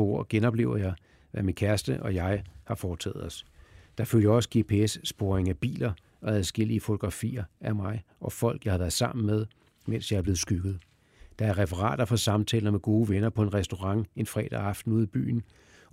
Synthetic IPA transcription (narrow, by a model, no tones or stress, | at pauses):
ɒo̝ɐ̰ɡ̥enɒ̽b̥le̝ʊɐjɑ̈ɪ | ʋæminkʰæɐsd̥əʔɒ̽jɑ̈ɪhɑ̈fɒːt͡sʰɛ̰ːð̩ˠɒ̽sd̥ɑ̈føl̰jɐɒ̽sə̥ɡ̥e̝pʰe̝esːb̥o̝ːɐeŋæb̥ḭːlɐ | ʔɒ̽æðˠsɡ̥e̝l̰iəfo̝t͡sʰo̝ɡ̥ʁɑ̈fḭːɐæmɑ̈ɪʔɒ̽fɒ̽l̰ɡ̥jɑɪhɑʋæɐðˠsɑ̈m̰n̩með̞ˠ | men̰sjɑ̈ɪɐb̥le̝ːð̩ˠsɡ̥yɡ̥ð̞̩ˠ | d̥ɑ̈æɐʁɛfɐʁɑ̰̈ːd̥ɐfɒ̽sɑ̈mt͡sʰɛ̰ːlɐmeɡ̥o̝ːʋenɐpʰɒ̽e̝nʁɛsd̥o̝ʁɑ̈ŋe̝nfʁɛ̰ːd̥æɑ̈fd̥n̩uð̰ˠib̥y̰ːn̩